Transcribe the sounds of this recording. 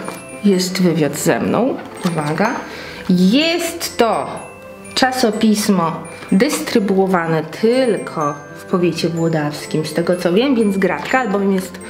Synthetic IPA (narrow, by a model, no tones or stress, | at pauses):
jɛst̪vɘvʲjad̪zɛ̰mnɔ̰̃w̃ | uvaɡa | jɛst̪ːɔ | t͡ʂasɔpʲismɔ | d̪ɛst̪ɾɘbuɔvanɛt̪ʰɘlkʰɔ | fpɔvʲjet͡ɕɛbwɔd̪afskʲimst̪ɛɡɔt̪sɔvʲjɛmvʲjɛnd̪zɡɾat͡ʂkaːlbɔvʲjɛmjɛst̪